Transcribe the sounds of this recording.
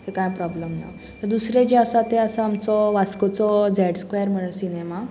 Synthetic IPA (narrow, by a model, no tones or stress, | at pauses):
t̪ekãjpɾɔbləmna̰j | t̪əɾd̪usɾed͡ʑeasat̪eəsaamt͡sɔʋaskot͡sɔd͡zɛɽskʋejəɾm̤əɽ̃ənsinema